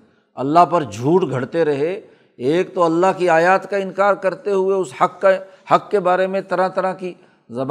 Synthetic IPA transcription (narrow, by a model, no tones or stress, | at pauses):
ɐlːaɦpɐɾd͡ʒʱuːʈɡʱɐɽt̪eɾɐɦe | eːkt̪oɐlːaɦkiaːjaːt̪kaɪ̃nkaːɾkɐɾt̪eɦʊeʊshɐkːa | hɐkːebaːɾemẽt̪ɐɾãt̪ɐɾãki | zɐb